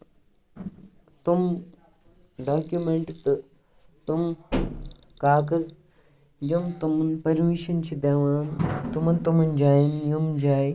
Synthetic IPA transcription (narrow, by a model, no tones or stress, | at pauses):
t̪um | ɖaːkjumeɳʈt̪ɨ | t̪um | kaːkɐz | d͡ʒɐmt̪umɐnpɐɾmiʃɐnt͡ʃʰid̪eʋaːnt̪umɐnt̪umɐnd͡ʒaːjinjumd͡ʒaːj